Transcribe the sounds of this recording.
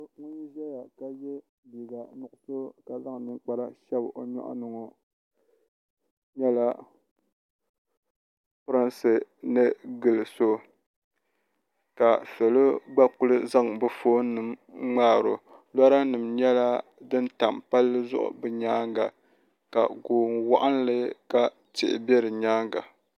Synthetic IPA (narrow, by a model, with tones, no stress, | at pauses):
ŋu˦ʒa˦ja˨ka˨jɛ˦ | bi˨ɡa˨nʊ˨ʔʊ˨so˦ka˨za˦ŋ˨nɨ˨ŋ˦k͡pa˦ɾa˦ʃɛ˦bʔo˨ɲɔ̰˦ʔnɨ˨ŋɔ˨ | ɲɛ˦la˦ | pʊ˦ɾa˦nsɨ˨nɨ˦ɡɨ˨lɨ˨so˦ | ka˨fɛ˨lo˦ɡ͡ba˦k͡pʊ˦lɨ˦za˦ŋbɨ˨foː˦nɨ˨mŋ͡maː˦˨ɾo˨ | la˦ɾa˦nɨ˨mɲɛ˦la˦dɨ˦n˦ta˨mpa˦lːɨ˦zʊ̰˦ʔʊ̰˨bɨ˨ɲaː˦ŋɡa˨ | ka̰˨ɡoː˨nwa˦ʔa˦nlɨ˦ka˦ | tɪ̰˨ʔɪ̰˨bɛ˦ɾɨ˨ɲaː˦ŋɡa̰˨